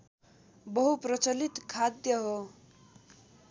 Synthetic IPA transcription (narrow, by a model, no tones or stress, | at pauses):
bʌɦuprʌt͡sʌlit̪kʰad̪jʌɦo